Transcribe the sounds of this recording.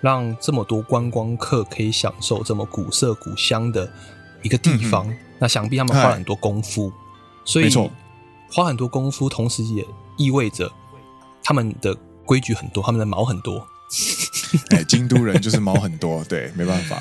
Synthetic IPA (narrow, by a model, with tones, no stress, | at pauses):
ɻɑ˥˨ŋʈ͡ʂə˥˩mə˨˩t̪wɔ˥kwa˦nkwɑ˦˥ŋkʰɤ˥˨kʰɤ˧˥i˨˩˦ɕjɑ̰˨˩ŋʂo˥˧ʊt͡sə˥˩mə˩ku˨˩sɤ˥˩kṵ˨˩ɕjɑ˦˥ŋd̪ə˨ | i˧˥ɡə˨t̪i˥˩fɑ˦ŋ | na˥˩ɕjɑ˨˩ŋpi˥˨t̪ʰa˥˧ə˨nxwa˥lə˨xə˨nt̪wɔ˥kʊ˥ŋfu˦ | swɔ˧˥˧i˨ɔ˧ | xwa˥xə˨˩nt̪wɔ˥kʊ˥ŋfu˦t̪ʰo˧˥ŋʂɻ̩˨˦jɛ˨˩i˥˧we˥˩ɪd͡ʒə˩ | t̪ʰa˥mə˨nd̪̥ə˩ | kwe˥ɪt͡ɕy˧˥xə˨˩nt̪wt̪ʰa˥mə˨nd̪ə˩mɑ̰˧˥ʊxə˨˩nt̪wɔ˦ | e˥˩t͡ɕi˦ŋt̪u˥˩ɻə˦nt͡ɕjo˥˧ʂʂɻ̩˥˩mɑ˨˥ʊxə˨˩nt̪wɔ˦t̪we˥˨˩ɪme˧˥ɪba˥˨nfa̰˨˦